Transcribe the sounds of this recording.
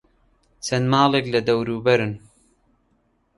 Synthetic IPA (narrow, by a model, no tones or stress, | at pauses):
t͡sʰɐnmɑːleklɐd̪ɐwɾuːbɐɾɨn